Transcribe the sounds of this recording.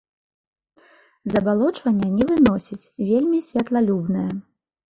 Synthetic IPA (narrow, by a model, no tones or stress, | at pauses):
zɐbalˠɔt͡ʂvɐnʲːɐnʲɛvɨnɔsʲit͡sʲvʲelʲmʲisʲvʲɐt̪lˠalʲubnɨjɐ